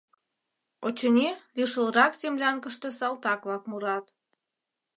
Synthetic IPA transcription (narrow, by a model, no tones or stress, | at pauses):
ot͡ɕəneliʃə̆lɾɑkzemlʲɑnkəʃt̪esɑlt̪ɑkβɑkmuɾɑt̪